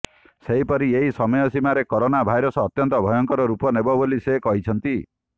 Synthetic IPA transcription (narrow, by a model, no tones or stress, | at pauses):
seɦipɔɾieɦisɔmɔjɔsimaɾekɔɾonabʱajɾɔsɔːt̪jɔnt̪ɔbʱɔjɔŋkɔɾɔɾupɔnebɔbolisekɔɦit͡ʃʰɔnt̪i